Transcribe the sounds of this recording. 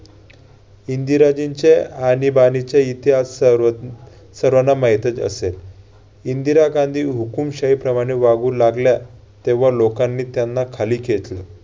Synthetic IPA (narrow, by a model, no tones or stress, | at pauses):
ind̪iɾad͡ʑint͡ɕeanibanit͡ɕjait̪iɦas | əɾʋənamaɦjt̪əd͡zə̰sel | ind̪iɾaɡãnd̪ʱiːɦukumɕaipɾəmaɽ̃eʋaɡuːlaɡlja | t̪eʋ̤alokanːiːt̪janːakʰaliːkʰet̪lə